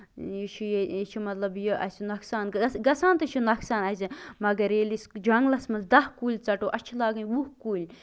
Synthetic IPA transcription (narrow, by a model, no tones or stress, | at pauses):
jit͡ʃʰujet͡ʃʰumɐt̪lɐbjoʔɐ̰sinɐksaːnɡɐsaːnt̪ɐt͡ʃʰunɐksaːnɐsimɐɡɐɾeːlisd͡ʒɐŋɡlɐsmɐzd̪ɐhkuːlʲt͡sɐʈoːʔɐt͡ʃʰilaːɡɐnʲwuhkuːlʲ